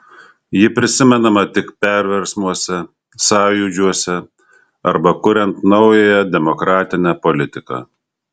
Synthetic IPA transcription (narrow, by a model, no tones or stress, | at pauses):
jɪpʲɾʲɪsʲɪmʲɛnɐmɐt̪ʲɪkpʲɛɾʲʋʲɛɾʲsmuɔsʲɛ | sɑːjuːd͡ʒʲuɔsʲɛ | ɐɾbɐkʊɾʲɛnt̪nɐʊjɛjɛd̪ʲɛmɔkɾɑːt̪ʲɪnʲæpɔlʲɪt̪ʲɪkɑ̰ː